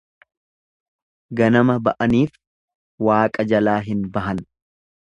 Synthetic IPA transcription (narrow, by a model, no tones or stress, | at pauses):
ɡɐnɐmɐbɐʔɐniːf | waːkʼɐd͡ʒɐlaːɦɪnbɐɦɐn